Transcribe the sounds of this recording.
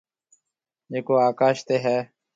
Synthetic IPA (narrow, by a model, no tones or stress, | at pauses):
eːkoːaːkaːʃt̪eːɦɛː